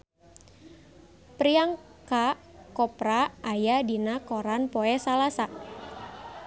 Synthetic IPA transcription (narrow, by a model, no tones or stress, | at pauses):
pɾiaŋ | ka | kɔpɾaʔːjadinakoɾanpɔɛsalasa